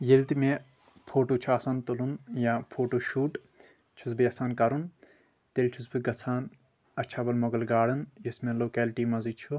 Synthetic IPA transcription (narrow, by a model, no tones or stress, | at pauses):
jelt̪imẽ | pʰoːʈuːt͡ʃʰuaːsaːnt̪ulunjaːpʰoːʈoːʃuːʈ | t͡ʃʰusbijɐsaːnkɐɾun | t̪elt͡ʃʰusbiɡɐt͡sʰaːn | ɐt͡ʃʰaːbɐlmoɡɐlɡaːɽɐnjismẽloːkeːlʈiːmɐzit͡ʃʰu